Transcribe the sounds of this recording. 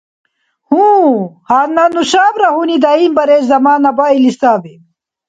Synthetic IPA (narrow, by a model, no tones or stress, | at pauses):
hũːhaːnːanuɕaːbɾɐɦunid̪ainbɐɾeːzɐmaːnɐbaːilist̪aːbe